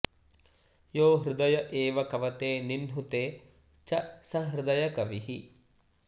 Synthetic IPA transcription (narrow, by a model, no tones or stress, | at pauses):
joːɦɾɪd̪ɐjɐʔeːʋɐkɐʋɐt̪eːninɦut̪eː | t͡ʃɐsɐɦɾɪd̪ɐjɐkɐʋiɦi